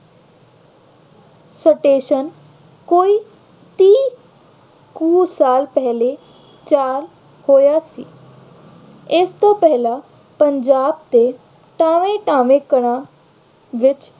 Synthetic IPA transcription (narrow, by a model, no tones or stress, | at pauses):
səʈeːʃən | koːiː | t̪iː | kuːsaːlpɛɦle | t͡ʃaːɾ | hoːjaːsḭː | ɪst̪opɛɦla | pəɲd͡ʒaːb̚t̪e | ʈaːʋẽʈaːʋẽkəɽ̃ã | ʋɪt͡ʃ